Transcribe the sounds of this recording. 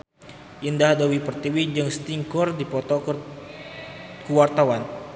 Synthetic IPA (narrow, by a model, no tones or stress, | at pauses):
ʔindahdawipərt̪iwid͡ʒɨŋst̪iŋkɔrdipɔt̪ɔ | kəwart̪awan